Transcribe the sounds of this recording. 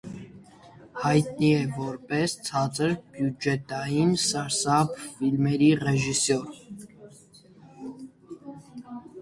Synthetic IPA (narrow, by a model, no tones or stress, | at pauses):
hɑjt̪̚niɛvɔɾpɛst͡sʰɑt͡səɾbjud͡ʒɛt̪ɑjinsɑɾsɑbfilmɛɾiʁɛʒisɔɾ